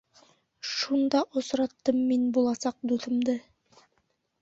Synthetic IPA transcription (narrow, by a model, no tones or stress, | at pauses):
ʃund̪ɑʔŏsɾɑt̪ːɤmːinbulˠɑsɑq̚d̪uθɤ̆md̪ɤ